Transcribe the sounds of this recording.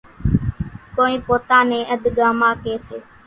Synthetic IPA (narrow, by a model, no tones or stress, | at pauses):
koːĩːpoːt̪ãːnẽːʔəd̪ʱɠaːmãːkeːseː